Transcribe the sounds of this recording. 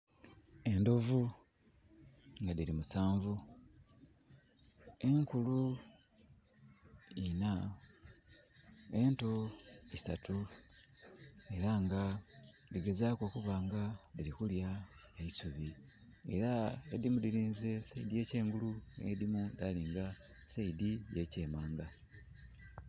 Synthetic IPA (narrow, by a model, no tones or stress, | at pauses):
e̞ndo̞vu | ŋɡaðiɾimusaːɱvu | e̞ŋkulu | ina | e̞nto̞isatu | e̞ɾaŋɡa | liɡe̞zako̞kuβaːŋɡailixulja | eisuβi | e̞̰ɾaedimudiliːnze̞seidije̞ce̞ːŋɡulunḛedimudaliːŋɡa | seidije̞ce̞ːmaːŋɡa